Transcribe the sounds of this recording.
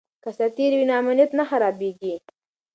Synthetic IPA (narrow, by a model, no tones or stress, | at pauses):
kasat̪iɾwinɑmʊnjat̪naxaɾɑbeɡi